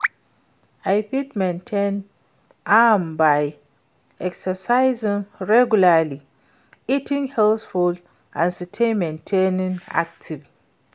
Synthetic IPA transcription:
aɪpitmɛ̃ntʰẽn | ambaɪ | ɛksəsaɪzɪ̃ŋɹɛɡulali | itʰɪ̃ŋhɛlθful | ãnsitʰẽnmɛ̃ntʰẽnĩna̰k̚tʰiv

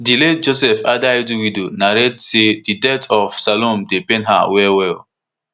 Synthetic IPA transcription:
diled̚d͡ʒosɛfadajduwidonaɾetsedidɛtʰɔfsalɔ̃mdepẽnɦa̰wɛwɛl

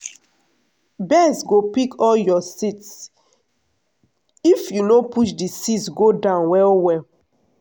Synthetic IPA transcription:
bɛsɡopikɔljɔsits | ifjunopuʃdisitsɡodãʊ̃nwɛlwɛl

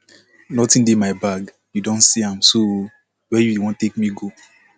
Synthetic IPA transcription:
nɔtĩndemaɪbaɡ | judɔ̃nsiãmso | wɛjuwɔ̃ntek̚miɡo

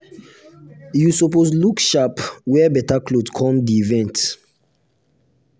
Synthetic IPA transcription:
jusɔposlukʃapwɛbɛtaklodkʰɔ̃mdiivɛ̃nt

